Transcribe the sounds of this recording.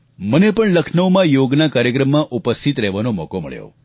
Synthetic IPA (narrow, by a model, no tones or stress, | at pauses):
mənepəɳləkʰnəʋmãjoɡnakaɾjəkɾəmːãʔupəst̪ʰit̪ɾɛʋanomɔ̰komə̰ɭjo̰